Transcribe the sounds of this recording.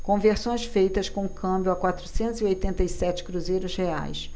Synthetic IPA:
kõveɾsõj̃sfejt̪ɐskõũkʰɐ̃mbjʊɐkwat̪ɾusẽnt̪ʊziojt̪ẽnt̪ɐisɛt͡ʃɪ̥kɾuzejɾʊshea̰js

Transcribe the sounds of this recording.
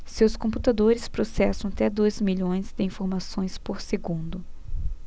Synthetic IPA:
sewskõput̪ad̪oɾɪspɾosɛsɐ̃w̃at̪ɛd̪ojzmiʎõj̃zd̪ɪĩfoɾmasõj̃spoɾseɡũnd̪ʊ

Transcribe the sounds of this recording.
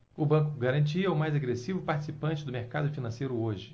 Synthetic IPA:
ʊbɐ̃ŋkʊɡaɾɐ̃nt͡ʃiɐʊmajzaɡɾesivʊpaɾt͡ʃi̥sipɐ̃nt͡ʃɪd̪ʊmeɾkad̪ʊfinɐ̃sejɾʊoʒɪ

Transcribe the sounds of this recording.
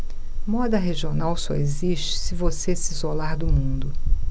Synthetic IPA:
mɔd̪ɐɦeʒionawsɔ̰eziʃt͡ʃɪ̥sɪvosesizolaɾd̪ʊmũd̪ʊ

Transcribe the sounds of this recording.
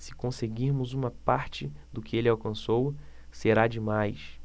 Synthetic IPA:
sɪ̥kõseɡiɾmʊzũmɐpaɾt͡ʃɪd̪ʊkɪelɪawkɐ̃sowseɾad͡ʒɪmajs

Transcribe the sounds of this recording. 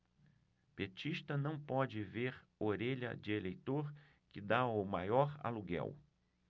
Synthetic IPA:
piet͡ʃiʃt̪ɐnɐ̃w̃pɔd͡ʒɪveɾ | oɾeʎɐ̰d͡ʒɪelejt̪oɾ | kɪd̪aʊmajɔɾa̰luɡɛ̰w

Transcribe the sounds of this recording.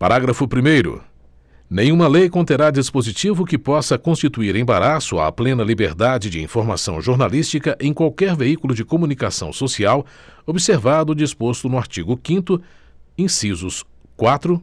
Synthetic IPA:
paɾaɡɾɐfʊpɾimejɾʊ̰ | nẽj̃ũmɐlejkõt̪eɾad͡ʒispozit͡ʃivʊkɪpɔsɐkõst͡ʃit̪uiɾẽj̃baɾasʊɐ̰plẽnɐlibeɾd̪ad͡ʒɪd͡ʒɪḭ̃foɾma̰sɐ̰̃w̃ʒoɾnalist͡ʃikɐʔẽj̃kwawkɛɾveikulʊd͡ʒɪkomunikasɐ̰̃w̃sosiaw | obiseɾvad̪ʊd͡ʒispost̪ʊnʊaɾt͡ʃiɡʊkĩnt̪ʊ | ĩsizʊs | kwat̪ɾʊ

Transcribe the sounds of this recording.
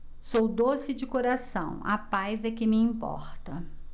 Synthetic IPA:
sowd̪osɪd͡ʒɪkoɾasɐ̰̃w̃ɐ̰pajzɛkɪmɪĩpɔ̰ɾt̪ɐ

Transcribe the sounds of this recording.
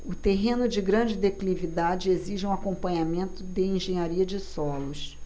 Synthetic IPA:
ʊt̪eɦẽnʊd͡ʒɪɡɾɐ̃d͡ʒɪd̪eklivid̪ad͡ʒɪeziʒɪũakõmpɐ̃ɲamẽnt̪ʊd̪ɪẽʒẽɲaɾiɐd͡ʒɪsɔlʊs

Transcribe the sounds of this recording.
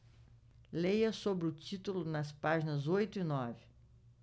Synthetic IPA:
lejɐsobɾɪʊt͡ʃit̪ulʊnɐspaʒinɐzojt̪ʊinɔvɪ

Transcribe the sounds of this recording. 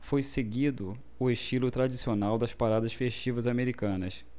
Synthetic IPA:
fojseɡid̪ʊ | ʊeʃt͡ʃilʊt̪ɾad͡ʒisionawd̪ɐspaɾad̪ɐsfeʃt͡ʃivɐzameɾikɐ̃nɐs

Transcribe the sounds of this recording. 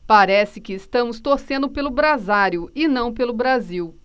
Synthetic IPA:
paɾɛsɪkɪːst̪ɐ̃mʊst̪oɾsẽnd̪ʊpelʊbɾazaɾjʊɪnɐ̃w̃p̬elʊbɾaziw

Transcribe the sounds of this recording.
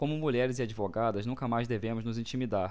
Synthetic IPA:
kõmʊmuʎɛɾɪzɪad͡ʒivoɡad̪ɐznũkɐmajzd̪evẽmʊznʊzĩt͡ʃimid̪aɾ

